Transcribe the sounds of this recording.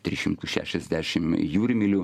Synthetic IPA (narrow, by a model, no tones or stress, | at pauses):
t̪ʲɾʲiʃʲɪmt̪uʃʲæ̰ʃʲɛzʲd̪ʲæːʃʲɪmjuːɾʲɪmʲɪlʲʊ